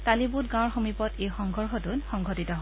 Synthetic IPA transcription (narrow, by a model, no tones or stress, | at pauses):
talibut̚ɡãɔɹxomipɔtejxɔŋɡʱɔɹxɔtunxɔŋɡʱɔtitɔɦ